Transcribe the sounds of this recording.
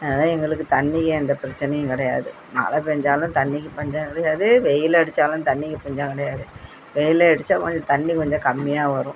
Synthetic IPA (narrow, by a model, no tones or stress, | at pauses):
ɛnaːnãːɛŋɡɐɭɯkːɯt̪ɐnːɪkːɐɛnd̪ɐpɪɾɐt͡ʃːɪnɐjʊ̃kɪɽɐja̰ːðɯ | na̰ːlɐpɛɲd͡ʒaːlʊ̃t̪ɐnːɪkːɯpɐɲd͡ʒãːkɪɽɐjaːðɯʋɛjɪlɛɽɯt͡ʃːaːlʊ̃nt̪ɐnːɪkːɯpʊɲd͡ʒãːŋkɪɽɐjaːðɯ | ʋɛjɪlɐɛɽɯt͡ʃːaːkɔɲd͡ʒõt̪ɐnːikɔɲd͡ʒõkɐmːɪjaːʋɐɾʊ̃